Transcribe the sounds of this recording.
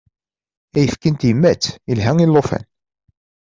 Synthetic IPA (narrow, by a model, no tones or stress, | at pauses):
æjəfkənt̪jəmːæt͡sːilɦæŋilːofæ̰n